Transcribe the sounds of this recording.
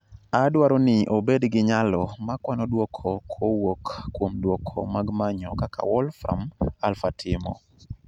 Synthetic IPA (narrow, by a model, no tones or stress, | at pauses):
adwaɾonɪʔobedɡɪɲalɔmakwanɔdwokʰokʰowokkːwomdwokʰo̰maɡmaɲɔkakʰa̰wɔlfɾa̰malfatʰɪmɔ̰